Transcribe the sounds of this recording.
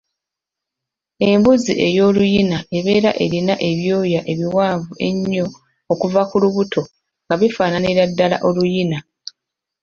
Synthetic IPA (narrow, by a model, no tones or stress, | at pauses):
e̞mbuziʔe̞jo̞ːlujinaʔe̞βe̞ːɾaʔe̞ɾinaʔe̞βjo̞ːjaʔe̞βiwaːvue̞ɲːo | okuvakuluβuto̞ | ŋɡaβifaːnaniɾadːala̰ʔo̞lujina